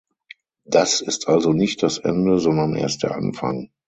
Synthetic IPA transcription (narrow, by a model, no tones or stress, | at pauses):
d̥asɪstʰʔalzonɪçt̚d̥asʔɛ̰ndəzɔndɐnʔḛːɐst̚d̥eːɐʔa̰nfa̰ŋ